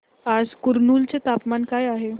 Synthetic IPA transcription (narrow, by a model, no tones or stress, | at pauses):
ad͡zkuɾnuːlt͡set̪apmankajaɦe